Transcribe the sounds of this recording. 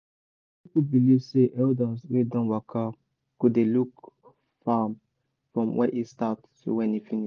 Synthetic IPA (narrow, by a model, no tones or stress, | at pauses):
ikud̚bilivseʔɛldəswedɔ̃nwakʰa | kudeluk | fam | fɹɔ̃mwʔɛ̰ʔistatso̰wɛ̃nifiniʃ